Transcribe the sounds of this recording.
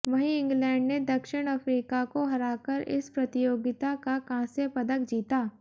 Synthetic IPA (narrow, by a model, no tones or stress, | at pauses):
ʋɐɦiɪ̃ŋɡlɛ̃ːɳɖned̪ɐkʃɪɽ̃ɐfɾiːkakoɦɐɾaːkəɾɪ̰spɾɐt̪ɪjoːɡɪt̪akakãːsepɐd̪əkd͡ʒiːt̪aː